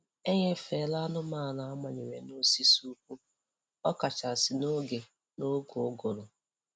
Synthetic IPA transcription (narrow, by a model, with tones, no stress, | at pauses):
e˦ɲe˦fe˨la˦nʊ˦ma˦˨na˨a˦ma˨ɲe˨we˨no˦˨si˦su˦u˦k̚ʷu˦ | ɔ˦ka˨t͡ʃa˨sɪ˨no˦ɡe˨ | no˦ɡo˨˦ɡʊ˨ɾʊ˨